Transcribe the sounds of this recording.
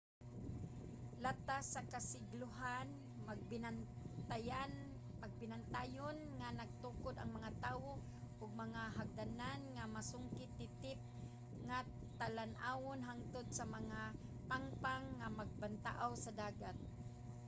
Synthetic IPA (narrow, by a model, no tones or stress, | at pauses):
lat̪asakasɪɡlʊɦan | ma | t̪aja | maɡ̚pɪnant̪ajʊnŋanaɡ̚t̪ukʊd̪a̰ŋmaŋat̪aːwo | ʔʊɡ̚maŋaɦaɡ̚d̪ananŋamasʊŋkɪt̪ːɪt̪ɪp̚ | ŋa | t̪alanʔaːwʊnɦaŋt̪ʊd̪̚samaŋa | paŋpaŋːamaɡ̚bant̪aʔawsad̪aːɡat̪̚